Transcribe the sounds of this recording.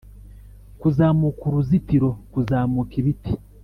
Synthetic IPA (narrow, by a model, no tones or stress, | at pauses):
kuzaːmukuɾuzitiɾo̞kuzaːmukiβiti̥